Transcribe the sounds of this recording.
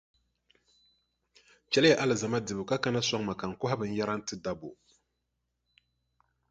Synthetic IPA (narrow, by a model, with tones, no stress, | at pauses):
t͡ʃɛ˦lja˨ʔa˦lɨ˨za˨ma˦dɨ˨bɨ˨ka˦ka˦na˦sa˦ŋma˨ka˨ŋ̩˨kʊ˦ɦa˦bɨ˨n̩˦ja˦ɾa˦n̩˦tɨ˦da˨bo˨